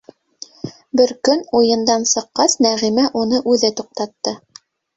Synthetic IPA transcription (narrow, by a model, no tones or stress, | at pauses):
bɘɾkɵnujɤ̆nd̪ɑnsɤ̆qːɑsnæʁimæʔunɤʔʉðɘt̪uq̚t̪ɑt̪ːɤ